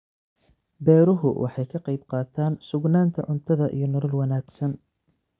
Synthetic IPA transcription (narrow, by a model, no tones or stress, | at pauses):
bɛːɾʊɦʊwʔɑ̰ħɑjkʰɐqɑjbqɑːt̪ʰaːnsʊɡnaːnt̪ʰɐ̰ʕʊnt̪ʰɐðɐʔḭjɞnɔɾɐlwɐnaːɡsɐn